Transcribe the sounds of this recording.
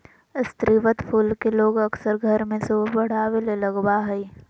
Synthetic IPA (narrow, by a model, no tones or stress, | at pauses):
ɪst̪ɾiʋət̪pʰuːlkeloːɡɐksəɾɡʱɐɾmẽsoːbɐɽ̤aːʋelelɐɡbaɦɛi